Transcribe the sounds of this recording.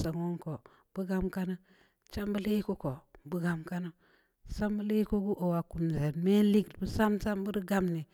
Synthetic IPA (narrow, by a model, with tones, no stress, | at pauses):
sa˨ŋo˦ŋko˨ | b̥u˦ɡa˦mka˦na˦ | t͡ʃa˦mbə˦le˦ko˦ko˨bu˦ɡa˨mka˦no˦ | sa˦mbə˦le˦ko˦ɡu˦ʔo˨wa˨ku˨mze˨nme˦n˦li˦ɡdbu˦sa˦msa˦mbu˦ɾɡa˦mni˨